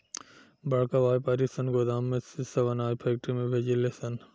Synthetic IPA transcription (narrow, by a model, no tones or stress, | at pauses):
bɐɽkɐʋaːjpɐɾisɐnɡod̪aːmːesisɐʋɐnaːipʰeːk̚ʈɾimẽbʱed͡ʑilesɐn